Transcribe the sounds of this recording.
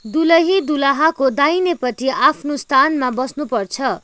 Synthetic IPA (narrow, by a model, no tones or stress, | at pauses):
d̪ulʌɦid̪ulaɦakod̪ajnepʌt̪iʔapʰnost̪ʰanmabʌsnupʌrt͡sʰʌ